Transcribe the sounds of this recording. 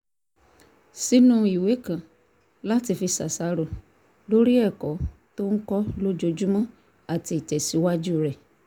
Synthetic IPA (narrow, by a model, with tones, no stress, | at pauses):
si˨˦nũ˦i˨we˨˦kã˨ | la˦ti˧fi˧sa˨sa˨˧˦ɾo˦˨ | lo˦ɾi˦ɛ˦˨kɔ˨˦to˦n̩˦kɔ˦lo˦d͡ʒo˧d͡ʒu˦mã˦ | a˦˨ti˧i˨tɛ˨si˨˦wa˦d͡ʒu˦˨ɾɛ˨